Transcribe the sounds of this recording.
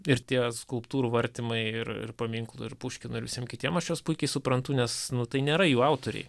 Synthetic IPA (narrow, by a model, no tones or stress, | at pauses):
ɪrt̪ʲiɛskʊlˠpt̪uːɾuːʋɐɾʲt̪ʲɪmɐɪɪrɪ̰rpɐmʲiŋklˠʊ̰ɪrpuːʃʲkʲɪnʊɪɾʋʲɪsʲiɛmkʲɪt̪ʲiɛmɐʃjoːspuɪkʲɛɪsʊpɾɐnt̪ʊnʲɛsnʊt̪ɐɪnʲeːɾɐjuːɐʊt̪oːɾʲɛ̰ɪ